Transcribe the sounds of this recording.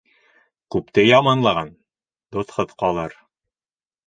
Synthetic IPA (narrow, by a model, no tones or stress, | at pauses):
kʉpt̪ɘjɑmɑnlˠɑʁɑn | d̪̥oθχɤðqɑlˠɤɾ